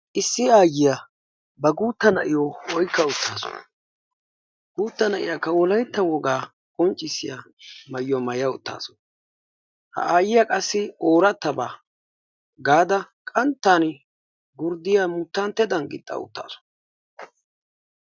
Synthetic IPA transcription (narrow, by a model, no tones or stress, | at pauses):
ʔɪsːɪaːjɪja | bɐɡuːt̪ːɐnɐʔɪjɔwɔjkːɐʊt̪ʰːaːsɔ̰n | ɡ̥uːt̪ːɐnɐʔɪ̰jakːɐwɔlɐjt̪ːɐwɔɡaː | kʼɔnt͡ʃʼːɪsːɪja | mɐjjɔmɐjɐʊt̪ːa̰ːsɔ̥n | hɐ̰aːjɪjakʼɐsːɪoːɾɐt̪ːɐbaː | ɡaːd̪ɐkʼɐnt̪ːaːn | ɡʊɾd̪ɪjamʊt̪ːant̪ːɛd̪ɐnɡɪ̰t̪ʼːɐ̰ʊ̰t̪ːa̰ːsɔ̥